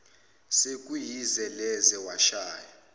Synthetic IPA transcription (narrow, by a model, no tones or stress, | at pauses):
sekʼujizɛlɛzɛwaʃaːja